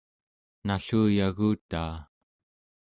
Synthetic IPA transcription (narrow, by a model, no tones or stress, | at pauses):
naɬuːjaɣuːt̪aː